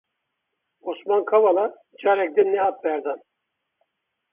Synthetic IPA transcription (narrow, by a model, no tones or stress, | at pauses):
osmankʰavalˠa | d͡ʒaɾɛk̚d̪ɛnːɛɦat̪̚bæɾd̪an